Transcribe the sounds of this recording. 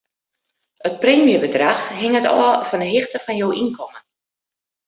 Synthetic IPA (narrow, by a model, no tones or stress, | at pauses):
ət̚preːmjəbədraxɦɪŋətɔ̰fɔndəɦɪxtəfɔnjoːʔinkʰɔmən